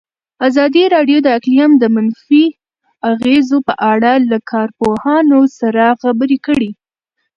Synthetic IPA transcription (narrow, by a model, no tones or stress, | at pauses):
azɑd̪iɾɑɖjod̪əaklijamd̪əmanfi | aɣezopəʔaɽalakʰɑɾpohɑnosaɾaxabəɾikəɽi